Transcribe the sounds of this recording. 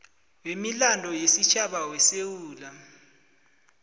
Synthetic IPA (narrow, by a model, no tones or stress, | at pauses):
wemilandʱɔjesit͡ʃʰʼaɓawɛsewuːla